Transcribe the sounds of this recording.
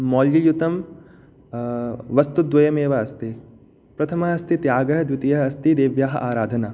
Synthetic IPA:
mɔːljijut̪ɐm | ʋɐst̪ud̪ʋwɐjɐmeːʋɐɐst̪i | pɾɐt̪ʰɐmɐɦɐst̪it̪jaːɡɐɦɐd̪ʋɪt̪ijɐɦɐɐst̪id̪eːʋjaːɦɐʔaːɾaːd̪ʱɐnaː

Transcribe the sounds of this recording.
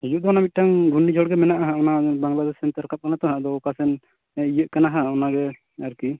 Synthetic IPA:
ɛjuʔd̪ɔnamit̪̚ʈaŋɡʱunːid͡ʒʱɔɽɡɛmɛnaʔaɦaɔnabaŋɡlad̪ɛsɛnt̪aɾkap̚kanat̪ɔɦaʔd̪ɔkasɛn | ijəʔ̪̚kanaɦaɔnaɡɛ | əɾki

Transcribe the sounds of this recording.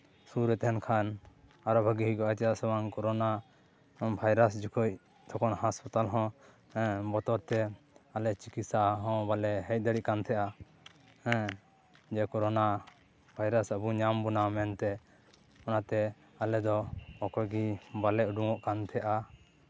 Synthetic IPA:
suɾɛt̪ɛɦɛnkʰan | aɾɔbʱəɡiɦiɡɔʔat̪ɛjasɛwaŋkɔɾɔna | bʱajɾas̬d͡ʒukʰuc̚ | t̪ʰɔkɔnhaspɔt̪alɦɔ̃ | ɛ̃bɔt̪ɔɾt̪ɛ | alɛt͡ʃikisaɦɔ̃balɛɦɛc̚ˀd̪əɽiʔkant̪ʰɛʔa | ɛ̃ | d͡ʒɛkɔɾɔna | bʱajɾasabuɲambunamɛnt̪ɛ | ɔnat̪ɛ | alɛd̪ɔɔkɔɡibalɛuɖuŋɔʔkant̪ʰɛʔa

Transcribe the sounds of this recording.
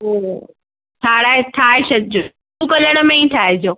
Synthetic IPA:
ɦoː | t̪ʰaːɽaːet̪ʰaːeɕɐd͡ʑo | ũkɐləɽ̃ə̆mẽĩt̪ʰaːɦed͡ʑoː

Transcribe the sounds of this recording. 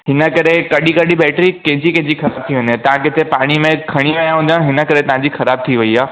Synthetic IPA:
ɦɪnəkɐɾekɐɗikɐɗiɓɛːʈɾikɛ̃ɦɪ̃d͡ʑikɛ̃ɦɪ̃d͡ʑixɐɾaːb̚t̪ʰiɦʊ̃nd̪ẽt̪ɐʋ̤ãkɪt̪ʰepaːɽ̃imẽkʰɐɽ̃iaːjãɦũːnd̪ãɦɪnə̆kɐɾet̪ɐʋ̤ãɲd͡ʑixɐɾaːb̚t̪ʰiʋɐiaː

